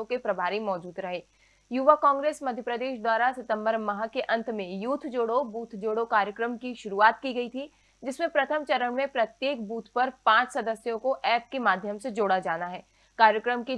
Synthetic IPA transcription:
õkepɾɐbʱaːɾimɔːd͡ʒuːd̪ɾɐɦeː | juʋakãːŋɡɾeːsmɐd̪ʱjəpɾəd̪eːʃd̪waːɾasɪt̪ə̃mbəɾmɐɦakeʔɐ̃nt̪ʰmẽjuːt̪ʰd͡ʒoːɽobuːt̪ʰd͡ʒoːɽokaːɾjəkɾəmkiʃʊɾuaːt̪kiɡɐit̪ʰi | d͡ʒɪsmẽpɾɐt̪ʰəmt͡ʃɐɾəɳmẽpɾɐt̪jeːk̚buːt̪ʰpɐɾpãːt͡ʃsɐd̪əsjõkoʔɛːp̚kemaːd̪ʱjəmsed͡ʒoːɽad͡ʒaːnaɦɛː | kaːɾjəkɾəmki

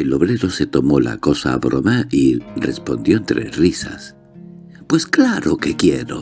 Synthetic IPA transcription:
elo̞βɾeɾo̞se̞t̪o̞mo̞la̰ko̞sa̰ːβɾomairespo̞nd̪jo̞ent̪ɾʔḛrisa̰s | pwe̞sklaɾokekjeɾo

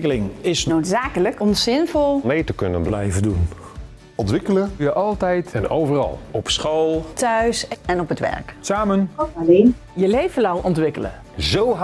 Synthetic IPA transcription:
kəlɪŋɪsnotsaːkələkɔmsɪnvɔlˠmejtəkønənblɛjvədun | ɔntʋɪkələjəʔɑlˠtɛjtɛno̰wvərɑ̰lˠɔpsχoːlˠtʰœɥsɛnɔpətʋɛ̰rksaːmənɔaleːnjəlejvəlawʔɔntʋɪkələ̰ | zowɦ

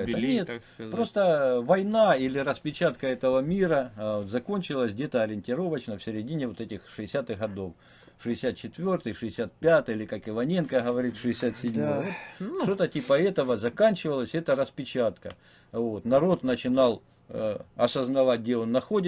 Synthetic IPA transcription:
ɛənʲet̪pɾo̞st̪əvɐjnailʲɪɾəspʲɪt͡ɕat̪kəɛt̪əvəmʲiɾəot̪zɐko̞nʲt͡ɕɪlˠəsʲɡdʲe̞t̪əɐɾʲɪnʲtʲɪɾo̞vət͡ɕnəfsʲɪɾʲɪdʲinʲɪvo̞t̪ɛtʲɪxʂɨɪsʲat̪ɨɣɣɐd̪o̞f | ʂɨɪsʲat̪̚t͡ɕɪt̪vʲo̞rt̪ɨjʂɨɪsʲat̪̚pʲat̪ɨjilʲɪkakɪvɐnʲe̞nkəɦəvɐɾʲit̪ʂɨɪsʲat̪sʲɪdʲmovot̪ʂt̪ot̪ətʲipəɛt̪əʋəzɐkanʲt͡ɕɪvəlˠəsʲɛt̪əɾəspʲɪt͡ɕat̪kə | vo̞t̪nɐɾo̞t̪nət͡ɕɪnɑlˠ | ɐsəznɐvat̚ʲɡʲdʲeonːɐxo̞dʲɪ

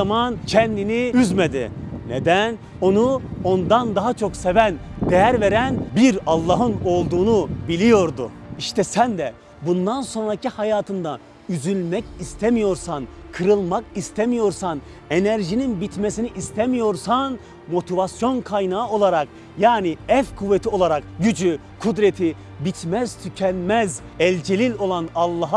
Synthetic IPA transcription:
amancʰɛnd̪iniyzmed̪ḭnḛd̪æn | o̞nuo̞nd̪and̪aɦat͡ʃʰo̞ksevænd̪ejæɾve̞ɾænbiɾɑlˠːɑɦɯno̞lˠd̪uːnubilʲijo̞ɾd̪ṵiʃt̪ʰɛsænd̪ɛ | bund̪anso̞nɾacihajaːt̪ʰɯnd̪a | yzylʲmɛcist̪ʰemijo̞ɾsankʰɯɾɯlˠmakist̪ʰemijo̞ɾsan | e̞næɾʒininbit̪mesiniʔist̪ʰemijo̞ɾsan | mo̞t̪ʰivasjo̞nkʰajnaːo̞lˠaɾak | jaːniɛfkʰuvːet̪ʰio̞lˠaɾakɟyd͡ʒy | kʰud̪ɾet̪ʰi | bit̪mæz̥t̪ʰycʰɛnmɛz | ɛlʲd͡ʒelʲilʲo̞lˠanɑlˠːɑɦ

